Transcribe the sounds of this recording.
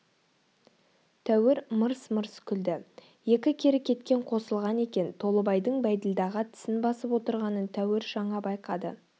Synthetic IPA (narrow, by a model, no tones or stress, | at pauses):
t̪ʰæwɪɾməɾsməɾskʲʰʏld̪ɪ | je̞kʲɪkʲʰe̞ɾɪkʲʰe̞t̪kʲe̞ɴqʰo̞səlˠʁɑne̞kʲe̞nt̪ʰo̞lˠəbɑjd̪əɴbæjd̪ɪld̪ɑʁət̪ʰɪ̥sɪnbɑsəpwo̞t̪əɾʁɑnənt̪ʰæwɪɾʒ̥ɑɴɑbɑjqɑd̪ə̰